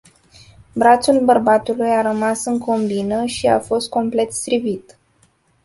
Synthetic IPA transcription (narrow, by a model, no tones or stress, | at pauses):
bɾat̪sulbərbat̪ulujaɾəmasɨŋko̞mbinəʃia̰fo̞st̪̚ko̞mple̞t̪st̪ɾivit̪